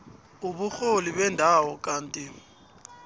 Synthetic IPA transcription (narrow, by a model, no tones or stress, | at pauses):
ubuk͡xolibɛndʱawɔkʼaːn̩tʼɪ